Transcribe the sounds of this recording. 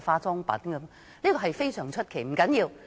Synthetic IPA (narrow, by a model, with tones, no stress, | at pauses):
faː˧t͡sɔː˥ŋpɐ̰˨˥nkɐ˨˦m | liː˥kɔː˧ɦɐ˨jfe˥jsœː˨˩ŋt͡ʃʰɵ˥t̚kʰe˨˩jm̩˨˩kɐ˨˥njiː˧w